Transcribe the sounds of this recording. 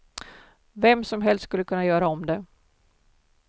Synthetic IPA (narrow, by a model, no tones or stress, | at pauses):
vɛmːsɔmɦɛlst̪skɵlːəkʰɵnːajœːɾaɔmd̪ɛ